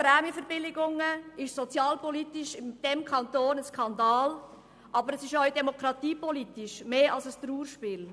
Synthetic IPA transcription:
pɾɛːmifəɾbɪlɪɡʊŋəɪʃsɔt͡sjɑːlpɔlit̪ɪʃɪmd̥ɛmkʰɑnt̪oːnəskʰɑnd̪ɑːl | ʔɑbəɾɛsɪʃɔɥdɛmɔkɾɑt̪iːpɔlit̪ɪʃmeːɑlsəst̪ɾuːɾʃpɪːl

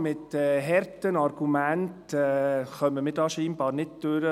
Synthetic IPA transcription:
mɪtɛɦɛrtənɑɾɡ̥umæntɛχœməmɪːɾdɑːʃiːnbɑːɾnɪd̚d̥øɾə

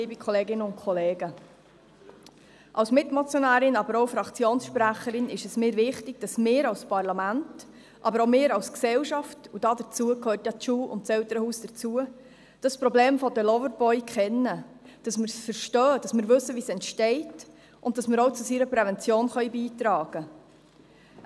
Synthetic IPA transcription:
iːbikʰɔleːɡɪnəʊntkʰχɔleːɡ̥ə | ʔɑwsmɪtmɔt͡sjonæːɾɪnɑbəɾoʊfɾɑkt͡sjoːnsʃpɾæχəɾɪnɪʃɛsmɪːɾvɪχtɪɡ̥̚d̥ɑsmɪːɾɑwspɑɾlɑmænt | ʔɑbəɾoʊmɪːɾɑwsksɛlʃɑftud̥ɑːd̥ət͡suəkʰøːrtjɑt͡ʃuːʊ̰ntt͡sɛltəɾəhuːsd̥ət͡suə | d̥ɑspɾɔbleːmfɔdəlɔvəɾbɔʏkʰχɛnːə | d̥ɑsməɾsfəɾʃtœːd̥ɑsmɪːɾvɵsːəʋisɛntʃtɛɪt | ʔʊnd̥ɑsmɪɾoʊt͡susiːɾəpɾɛvɛnt͡sjoːnχœjbiːtɾɑːɡ̥ə

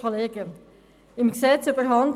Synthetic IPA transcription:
oleːɡə | ɪmksɛt͡sybəɦɑnd

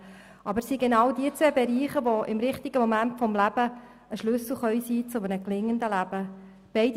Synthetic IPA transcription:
ʔɑbəɾsiɡenɑwdiət͡sʋeːbeɾiːχəʋoʔɪ̰mɾɪχt̪iɡ̥əmomæntfɔmlæb̥ə | əʃlʏsl̩ˠχœʏsiːt͡sʊmənəklɪŋːənd̪əlæb̥ə | b̥ɛɪd

